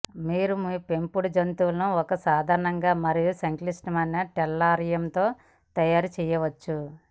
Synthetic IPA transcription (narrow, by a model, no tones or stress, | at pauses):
miːɾumipe̞mpuɽud͡ʒɐnt̪uʋlɐnuɔkɐsaːd̪ʱaːɾɐɳɐŋɡaːmɐɾijusɐŋklisʈɐmɐnːɐʈɛlːaːɾijɐmt̪o̞ː | t̪ɐjaːɾut͡ʃɛːjɐʋɐt͡ʃːu